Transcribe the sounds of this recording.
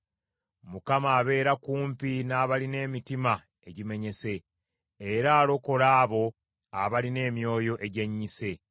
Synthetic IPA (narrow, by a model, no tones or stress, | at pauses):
mukamaːβe̞ːɾakuːmpinaːβaline̞ːmitima | e̞ɟime̞ɲe̞se̞ː | ɾaːlo̞ko̞ɾaːβo̞ | aβaline̞ːmjo̞ːjo̞ʔeɟe̞ɲːise̞